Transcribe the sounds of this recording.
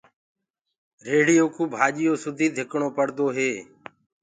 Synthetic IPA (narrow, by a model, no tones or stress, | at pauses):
ɾeːɽɪjoːkʰuːbʱaːʄɪjoːsʊd̪ʱiːd̪ʱɪkɳoːpəɽd̪oːɦeː